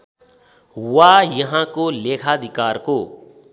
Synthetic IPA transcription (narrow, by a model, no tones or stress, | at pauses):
wajʌɦãkolekʰad̪ʱikaːɾko